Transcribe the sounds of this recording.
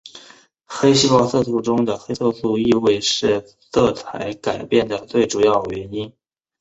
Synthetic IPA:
xe˥ɪɕi˥pwɑ˥˧sɤ˥˧su˥˩ʈ͡ʂʊ˥ŋd̪ə˨xe˥sʰɤ˥˧su˥˧i˥˧we˥˧ɪʂɻ̩˥˧ | sɤ˥˩t͡sʰa̰˧˥ɪka˨˩ɪpjɛ˥˩nd̪ə˩t͡swe˥˩ɪʈ͡ʂu˨˩jɑ˥˩ʊɥɛ˧˥ni˥n

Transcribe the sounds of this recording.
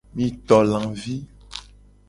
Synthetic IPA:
mĩ˨˦t̪ɔ˨lã˨vi˦

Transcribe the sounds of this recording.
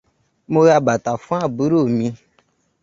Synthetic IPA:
mõ˦ɣa˧ba˨ta˨fũ˦a˦˨bu˨˦ɾo˦˨mĩ˧

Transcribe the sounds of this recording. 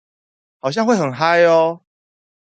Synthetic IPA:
hɑ˨˩ʊɕ̬ja˥ŋxwe˥˩ɪxə˨˩nɦa˦ɪɔ˧˦

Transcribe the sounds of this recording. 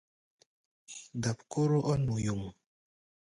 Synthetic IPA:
da˨p̚ku˦ɾo˦ʔɔ˦nmu˨ju˨ŋ

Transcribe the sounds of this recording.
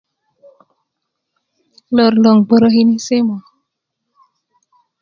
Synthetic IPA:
lə˨rlə˨ŋbə˨ɾə˦ɦi˦ni˦se˦ma˨

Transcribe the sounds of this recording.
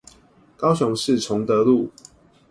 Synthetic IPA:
kɑ˦ʊɕʊ˨˦ŋʂɻ̩˥˨ʈ͡ʂʰʊ˨˦ŋt̪ə˧˦lu˥˨

